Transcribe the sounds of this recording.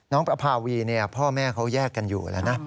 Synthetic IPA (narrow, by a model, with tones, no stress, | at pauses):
nɔː˦˥ŋpɾa˧pʰaː˧wiː˧ni˥˩ɐpʰɔː˥˩mɛː˥˩kʰa˦˥wjɛː˥˩kːa˧njṵː˨˩lɛ̰˦˩wna˦˥